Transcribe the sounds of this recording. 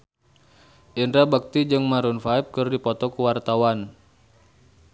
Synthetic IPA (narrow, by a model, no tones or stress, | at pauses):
ʔindɾabak̚t̪id͡ʒɨŋmaɾunfaip̚kɨrdipɔt̪ɔkuwart̪awan